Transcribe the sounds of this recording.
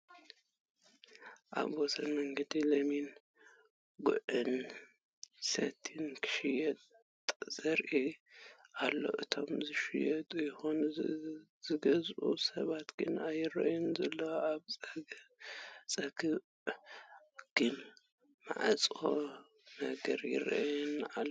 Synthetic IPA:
ʔa̰βwɔsʰɐnmɐŋɡɐd̪ilɐmin | ɡʊʔɨn | sɐ̰t̪ʰɨnkʰɨ̥ʃɪjɛt̪ | z̥ɐɾʔi | ʔalːo̞̰ʔɨt̪ʰo̞mzɨʃɪjɐt̪ʼujɪxon | z̥ɨɡɐzʔṵsɐβat̪ɡ̥ɨnajɪɾɐ̰ʔjɛnzɐlːɐaβʼɐ | t͡sʼɐɡɨ | ɡ̥ɨn | ma̰ʕat͡sʼo | nɐɡɐɾjɪ̰ɾ̰ʔɛna

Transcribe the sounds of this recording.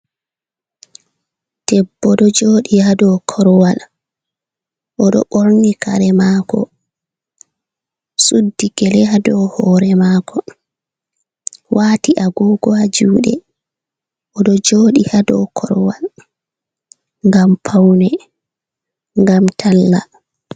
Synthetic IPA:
d̥ɛbːɔɗɔd͡ʒoːɗihadɔkʰɔɾwal | ʔɔɗɔ̰ɓoɾnika̰ɾɛmakɔ̰ | sudːiɡɛlɛhadɔhɔːɾɛmakʰɔ | wʔaːtiʔaɡɔːɡɔad͡ʒuːɗɛ̰ | ʔɔɗɔd͡ʒoːɗihadɔ̰kʰɔɾwa̰l | ŋɡampʰawnɛ | ŋɡamtʰalːa

